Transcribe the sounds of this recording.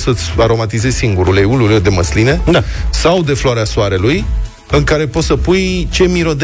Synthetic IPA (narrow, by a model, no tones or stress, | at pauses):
sət̪sʲaɾo̞mat̪izezʲsiŋɡuɾuleululed̪e̞məsline̞asawd̪e̞floaɾeasoaɾe̞luj | ɨŋkaɾe̞po̞t̪səpujt͡ʃe̞miɾo̞d̪